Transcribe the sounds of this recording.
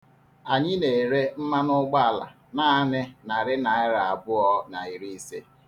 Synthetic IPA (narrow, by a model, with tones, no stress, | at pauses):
a˨ɲɪ˦ne˨ɾe˦m̩˦ma˦nʊ˦ɡ͡ba˦a˨la̰˨ | na˦nɪ˦na˨ɾɪ˦na˨ɪ˦ɾa˨a˨bʊ˦ɔ˦na˨i˨ɾi˦i˦se˦